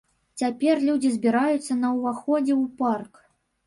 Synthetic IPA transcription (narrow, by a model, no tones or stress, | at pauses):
t͡sʲapʲɛrlʲud͡zʲizʲbʲiɾajut̪sːɐnɐwvaxɔd͡zʲɛwpark